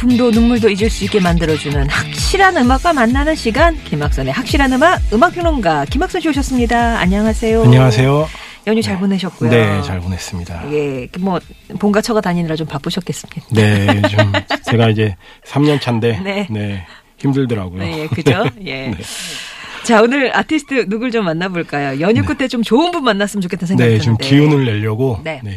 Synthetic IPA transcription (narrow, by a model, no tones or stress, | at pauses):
pundonunmuɭdoid͡ʑɯɭs͈uik͈e̞mandɯɾʌd͡ʑunɯnhak̚ɕ͈ʰiɾanɯmak͈wamanːanɯnɕʰiɡankimak̚s͈ʌne̞hak̚ɕ͈iɾanɯmaɡ̚ɯmak̚ʰʌŋʌnɡakimaks͈ʌnɕʰioɕ̬ʰʌs͈ɯmɲidaa̰ɲaŋasʰe̞joaɲʌŋasʰe̞jo | jʌŋɲut͡ɕaɭbone̞ɕʰʌt̚k͈ujne̞t͡ɕaɭbone̞s͈ɯmɲida̰je̞kemwʌpoŋɡat͡ɕʰʌɡataɲiniɾat͡ɕompap͈uɕʰʌt̚k͈e̞s͈ɯ̥midane̞t͡ɕomt͡ɕe̞ɡaid͡ʑe̞ | sʰamɲʌnt͡ɕʰande̞ne̞ne̞ | çimdɯɭdʌɾa̰ɡojojekɯd͡ʑoje̞ne | t͡ɕaonɯɾatʰisʰɯ̥tʰɯnuɡɯɭt͡ɕomːanːaboɭk͈ajojʌɲuk͈utʰet͡ɕomt͡ɕoɯnbunmanːas͈ɯmɯnt͡ɕokʰet͈ensʰeŋne̞t͡ɕomkiunɯɭːe̞ʎːʌɡone̞ne̞